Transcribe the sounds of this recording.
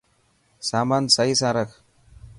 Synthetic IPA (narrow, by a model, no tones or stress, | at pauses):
samansɐɦisaɾəkʰ